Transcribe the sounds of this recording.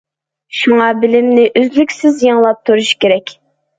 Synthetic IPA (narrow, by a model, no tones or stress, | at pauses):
ʃuŋɑbɪlɪmnɪʔøzlykʲsɪzjɑŋlˠɑp̚t̪ʰuɾuʃkʲeɾɛkʲ